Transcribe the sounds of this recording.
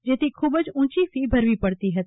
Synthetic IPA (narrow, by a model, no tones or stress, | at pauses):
d͡ʒeːt̪ikʰʊbəd͡ʒũːt͡ʃisibʱɐɾʋipɐɽt̪iɦɛt̪